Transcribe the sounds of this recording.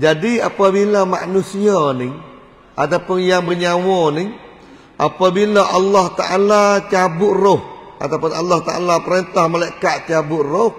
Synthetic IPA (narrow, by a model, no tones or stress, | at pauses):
d͡ʒadiapabilama̰ʔnusianɪŋ | at̪apʊnjaŋbərɲawɔnɪŋ | ʔapabilaʔɑlːaht̪aʔalat͡ʃabʊʔrʊh | a̰t̪awpʊnalːaht̪aʔa̰lapəɾent̪ahmalaikaʔ̪t͡ʃabʊʔroh